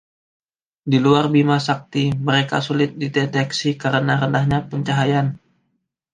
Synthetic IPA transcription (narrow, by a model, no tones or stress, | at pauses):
diluarbimasak̚t̪iməɾeka̰sulɪt̪̚didet̪ɛksikəɾənaɾəndahɲapəɲt͡ʃaɦajan